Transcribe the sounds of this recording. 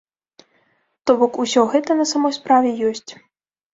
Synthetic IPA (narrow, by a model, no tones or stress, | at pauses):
t̪ɔbɔkusʲɔɣɛt̪ɐnɐsamɔjspɾavʲɛjɔsʲt͡sʲ